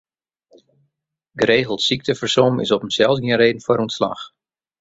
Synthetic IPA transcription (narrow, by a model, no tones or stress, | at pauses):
ɡəɾeːɣəlˠtsik̚təfərsomɪ̰sɔpəmsɛlˠsɡiɪənreːdn̩faɾunsla̰x